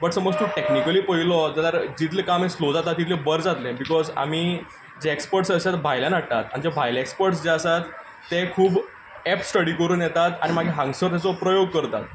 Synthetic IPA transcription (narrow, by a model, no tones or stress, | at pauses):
bəʈsəməd͡zt̪uːʈeknikəliːpəɦilɔt̪at̪əɾd͡ʑit̪̬lekamẽslod͡zat̪at̪ːit̪lebəɾd͡zat̪lẽbikɔza̰miː | d͡ʑeekspəɾʈsəsat̪bʱajlanaʈ̚t̪at̪amd͡ʑabʱajlekspəɾʈsd͡ʑeasat̪ː | ekʰuːb | ɛpsʈəɽiːkəɾuːnjɛt̪at̪aɽ̃imaɡʱeɦãŋɡsəɾt̪jat͡sɔpɾəjoɡ̚kəɾt̪a̰t̪